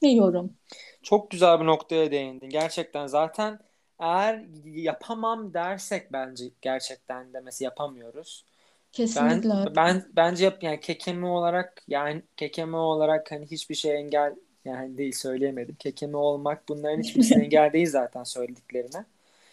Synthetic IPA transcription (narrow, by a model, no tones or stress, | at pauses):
nejoɾum | t͡ʃʰo̞k̚ɟyzælʲbino̞kt̪ʰajad̪e̞jind̪inɟæɾt͡ʃʰɛc̚t̪ʰænzaːt̪ʰæn | ejæɾjapʰamamd̪æɾsɛc̚bænd͡ʒɛɟ̥æɾt͡ʃʰɛc̚t̪ʰænd̪ɛmesɛjapʰamɯjo̞ɾuz̥ | cʰesbænbænbænd͡ʒɛjapjaːnicʰe̞cʰe̞mio̞lˠaɾak̚jaːnɪcʰe̞cʰe̞mio̞lˠaɾakhaniɦit͡ʃbiɾʃejɛɲɟælʲ | jaːnid̪ejilʲsø̞jlʲejemed̪imcʰe̞cʰemio̞lˠmak̚bunlˠaɾɯnhit͡ʃbiɾʃejɛɲɟælʲd̪ejilʲzaːt̪ʰænsø̞jlʲed̪icʲlʲe̞ɾinɪ